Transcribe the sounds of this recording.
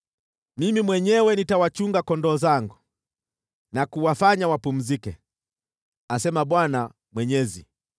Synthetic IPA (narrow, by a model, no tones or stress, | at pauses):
mimimwɛɲɛwɛnitawat͡ʃuŋɡakɔndɔːzaŋɡu | nakuwafaɲawapum̩zikɛ | asɛmaɓwana | mwɛɲɛzi